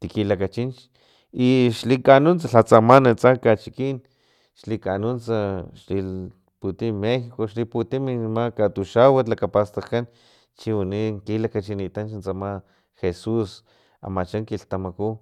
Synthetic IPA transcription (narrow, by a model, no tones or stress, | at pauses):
t̪ikilakat͡ʃint͡ʃ | iʃlikanunt͡saɬat͡samanat͡sakat͡ʃikin | ʃlikanunt͡saʃli | put̪imexikoʃliput̪iminmakat̪uʃawat̪lakapast̪akan | t͡ʃianiŋkilakat͡ʃinit̪ant͡ʃnt͡sama | xesus | a̰mat͡ʃaŋkiɬt̪amaku